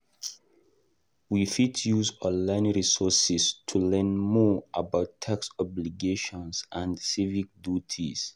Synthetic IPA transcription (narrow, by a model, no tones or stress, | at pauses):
wifitʰjuzɔ̃nlãɪ̃nɹisɔsistʰulɛ̃nmɔʔabaʊtʰaksɔbliɡeʃɔ̃nsãnsivik̚dutʰis